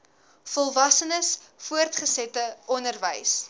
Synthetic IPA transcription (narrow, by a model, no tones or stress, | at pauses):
fɔlˠvɐsənəs | fuərtχəsɛtəʔɔnərvəjs